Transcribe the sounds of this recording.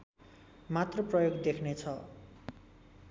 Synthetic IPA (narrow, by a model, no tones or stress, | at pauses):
mat̪rʌprʌjoɡd̪ekʰnet͡sʰʌ